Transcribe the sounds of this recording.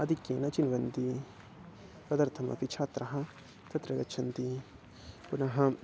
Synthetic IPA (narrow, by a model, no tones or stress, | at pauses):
ɐd̪ʱikjeːnɐt͡ʃinʋɐnd̪i | pɐd̪ɐɾt̪ʰɐmɐ̰pit͡ʃʰaːt̪ɾɐɦɐ | t̪ɐt̪ɾɐɡɐtːt͡ʃʰɐnt̪i | punɐɦɐ